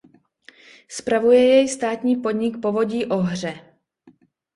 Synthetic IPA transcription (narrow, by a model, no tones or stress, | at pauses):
spɾavujɛjɛjst̪aːt̪ɲiːpod̪ɲɪkpo̞vo̞ɟiːʔo̞ɦr̝ɛ